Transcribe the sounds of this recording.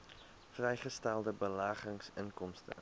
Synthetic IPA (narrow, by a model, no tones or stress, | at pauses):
frɛjχəstælˠdəbəlaːχəŋsənkɔmstə̰